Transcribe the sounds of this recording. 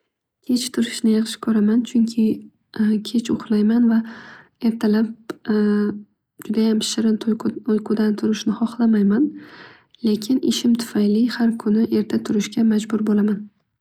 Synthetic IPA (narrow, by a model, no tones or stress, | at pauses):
kʲʰe̞t͡ʃt̪ʰʊɾɪʃnɪjɑχʃɪ̥kʰɵɾamant͡ʃʰʊŋkʲʰɪ | kʲʰe̞t͡ʃʰʊ̰χlˠajmanva | e̞ɾt̪ʰalap̚ | d͡ʒʊd̪ajam̥ʃɪɾɪojqʊd̪ant̪ʰʊɾɪʃnɪhɒχlˠamajman | lekʲʰɪnʔɪʃɪmt̪ʰʊ̥fajlɪhaɾkʰʊnɪʔe̞ɾt̪ʰat̪ʰʊɾɪʃɡʲamad͡ʒbʊɾbolaman